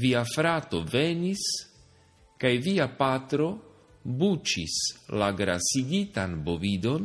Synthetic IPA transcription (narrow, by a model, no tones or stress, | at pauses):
viafɾato̞ve̞nis | kajviapat̪ɾo̞ | but͡ʃḭslaɡɾa̰siɡitanbo̞vid̪o̞n